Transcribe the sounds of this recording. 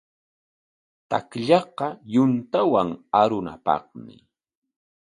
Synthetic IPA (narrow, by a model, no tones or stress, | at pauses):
t̪a̰kʎɑqɑjʊnt̪awaŋaɾʊna̰pɑ̰χmɪ